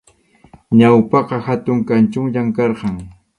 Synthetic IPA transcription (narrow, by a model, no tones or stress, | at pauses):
ɲawpɑqɑhat̪ʊŋkant͡ʃʊmʎaŋkɑɾqɑŋ